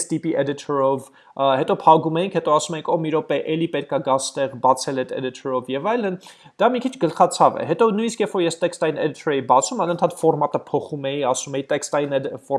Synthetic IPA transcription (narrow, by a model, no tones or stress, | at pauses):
st̪ipiʔɛd̪it̪ʰɔɾɔv | hɛt̪ɔpʰɑɡumɛjiŋkʰhɛt̪ɔɑsumɛjiŋkʰɔmiɾɔpɛʔɛlipɛt̪̚kɑɡɑst̪ɛʁbɑt͡sʰɛlɛt̪ʰɛ̰d̪it̪ʰɔɾɔvjɛvɑjlən | d̪ɑmikʰit͡ʃʰɡəlχɑt͡sʰɑvɛ̰hɛt̪ɔnujniskjɛfɔɾjɛst̪ɛkst̪ɑjinɛd̪it̪ʰɔɾɛjibɑt͡sʰumɑnənt̪ʰɑt̪fɔɾmɑt̪əpʰɔχumɛjiɑsumɛjit̪ɛkst̪ɑjinɛfɔ